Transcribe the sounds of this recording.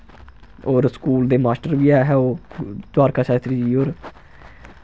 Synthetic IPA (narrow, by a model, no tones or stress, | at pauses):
oːɾskuːld̪eːmaːsʈəɾbiːaːɦɛːoːd̪waːɾkʰaːʃaːt̪ɾiːd͡ʒiːoːɾ